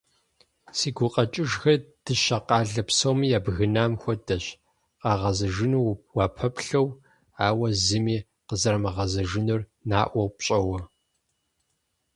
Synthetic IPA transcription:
siːɡʷʊqʼɐt͡ʃʼɪʒxɐrd̥ɨʃɐqɑːɮɐpsowmijaːbɣɨnaːmxʷɔdɐɕ | qɑːʁɐzɐʒɨnuwɑːpʰɐpɬɐw | aːwɐzɨmiː | qəzɐɾɐmɐʁɐzɐʒɨnɨrnaːʔʷɔwpɕʼɐwɐ

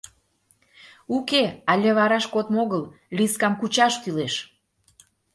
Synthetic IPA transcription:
ukeɑlʲeβɑɾɑʃkot̪moɣəlliskɑmkut͡ɕɑʃt̪yleʃ

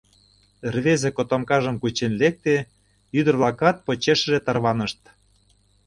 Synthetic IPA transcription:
rβezekot̪omkɑʒə̆mkut͡ɕenlek̚t̪e | yd̪ə̆rβlɑkɑt̪̚pot͡ɕeʃə̆ʒet̪ɑrβɑnəʃt̪

